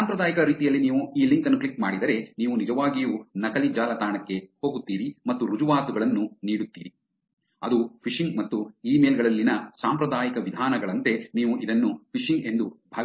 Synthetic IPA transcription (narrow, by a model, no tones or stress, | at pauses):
saːmpɾɐd̪aːjɐkɐɾiːt̪ijɐlːiniːʋuiːliŋkɐnːukɭlikma̰ːɽid̪ɐɾe̞niːʋunid͡ʒɐʋaːɡijunɐkɐlid͡ʒaːlɐt̪aːɳɐkːe̞ho̞ːɡut̪ːiːɾimɐt̪ːuɾud͡ʒuʋaːt̪uɡɐɭɐnːuniːɽut̪ːḭːɾi | ɐd̪upʰiʂiŋɡmɐt̪ːuiːmeːlɡɐɭɐlːinɐsaːmpɾɐd̪aːjɐkɐʋid̪ʱaːnɐɡɐɭɐnt̪e̞niːʋuʔid̪ɐnːupʰiʂiŋɡe̞nd̪ubʱaː